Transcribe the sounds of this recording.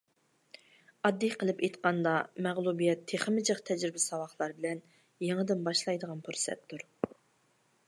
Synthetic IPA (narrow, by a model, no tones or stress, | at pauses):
ɑd̪ːijqʰəlˠɪpejt̪qɑnd̪ɑmæʁlˠubijɛt̪ʰːeχəmɪd͡ʒəqt̪ʰɛd͡ʒɾɪbɪsɑwɑχlˠɑɾbɪlɛn | jeŋəd̪ɪnbɑʃlˠɑjd̪əʁɑnpʰuɾsɛ̰t̪ːuɾ